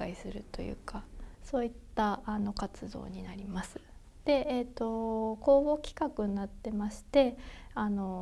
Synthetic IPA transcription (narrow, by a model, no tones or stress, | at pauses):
aisɨɾɯ̟t̪o̞̰jɯ̰ːkaso̞ːit̪ːaano̞kat͡sɨd̪o̞̰ːɲ̟inaɾʲimasɨ̥ | d̪̥e̞et̪ːo̞ko̞ːbo̞kʲi̥kakɯ̟nnːat̪ːe̞maɕi̥t̪e̞ano̞